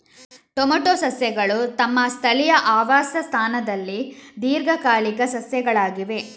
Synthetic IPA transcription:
ʈomoʈoːsɐsjɐɡɐɭut̪ɐmːɐst̪ʰɐlijɐʔaːʋaːsɐst̪ʰaːnɐd̪ɐlːid̪iːɾɡɐkaːɭikɐsɐsjɐɡɐɭaːɡiʋe̞

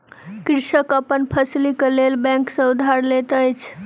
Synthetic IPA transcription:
kɾisəkəpənpʰəslikelelbɛ̃ŋksə̃ud̪ʱaɾlet̪əjt͡ʃʰ

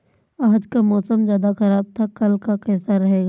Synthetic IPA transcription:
aːd͡ʒkamɔːsəmd͡ʒjaːd̪axɐɾaːb̚t̪ʰakɐlkakɛːsaɾɐɦeːɡaː

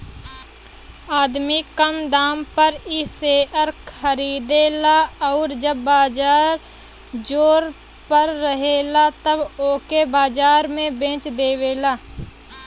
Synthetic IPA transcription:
aːd̪mikəmd̪aːmpəɾɪseːʔəɾkʰəɾiːd̪elaɔːɾd͡ʒəbːaːd͡ʒaːɾ | d͡ʒoːɾ | pəɾːəɦelat̪əboːkebaːd͡ʒaːɾmẽbẽːt͡ʃd̪eːʋeːlaː

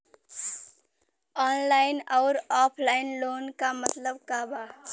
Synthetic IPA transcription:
ɔːnlaɪnɔʊɾɔːpʰlaɪnloːnkamət̪ləbkaba

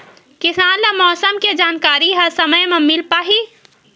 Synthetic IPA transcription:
kɪsaːnːɐmɔːsəmked͡ʒaːnkaːɾiɦɐsɐməjmɐmɪlpaːɦi

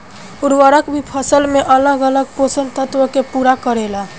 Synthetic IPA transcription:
uɾʋəɾəkbʱipʰəsəlmeʔələɡələɡ̚posənt̪ət̪ʋəkepuɾakəɾela

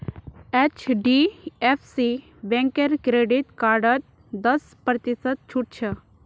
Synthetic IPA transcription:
et͡ɕʰɖiefsi | bɛ̃ŋkeɾkɾeɖit̪kaɾɖət̪̚ | d̪əs | pɾət̪isət̪̚t͡ʃʰuʈ̚t͡ʃʰə

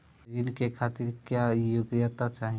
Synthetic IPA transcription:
ɪnkekʰaːt̪ɪɾkjajʊɡjət̪at͡ʃaːɦ

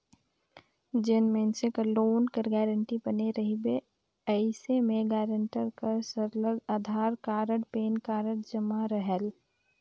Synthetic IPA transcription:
d͡ʒɪnmẽnsekəloːnkəɾɡɛːɾəɳʈibɐneɾəɦibe | əɪsemẽɡɛːɾə̃ɳʈəɾkəɾsəɾləɡaːd̪ʱaːɾkaːɾəɽpeːnkaːɾəɽd͡ʒɐmaɾəɦəl

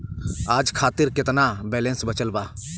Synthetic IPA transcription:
aːd͡ʒkʰaːt̪ɪɾkɪt̪nabɛːlẽnsbət͡ʃəlbaː

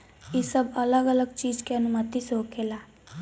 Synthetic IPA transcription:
isəbʱələɡələɡt͡ʃiːd͡ʒkeənumət̪iseɦokʰela

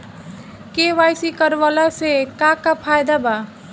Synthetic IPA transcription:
keʋajsikəɾʋalasekakapʰajd̪aba

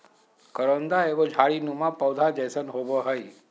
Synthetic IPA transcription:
kəɾənd̪aeʋod͡ʒʱaɭinũmãpəwd̪ʱad͡ʒəjsənɦoboɦəj

